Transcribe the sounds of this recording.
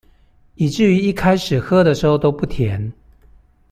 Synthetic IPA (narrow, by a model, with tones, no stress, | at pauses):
i˨˩ʈ͡ʂɻ̩˥˩y˧˥i˥˩kʰa˥ɪʂɻ̩˨˩xɤ˥d̪ə˨ʂɻ̩˧˥xo˥˧ʊt̪o˥ʊpu˥˩t̪ʰjɛ˧˦n